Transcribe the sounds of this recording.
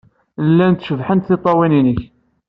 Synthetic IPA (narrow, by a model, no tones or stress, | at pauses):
lːænt̪ʃəvħənt̪θɪt̪ˤːɑwininəç